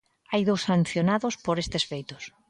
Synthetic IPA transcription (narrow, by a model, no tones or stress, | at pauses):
ajðowsːan̟θjonaðʊspoɾest̪esfejt̪ʊs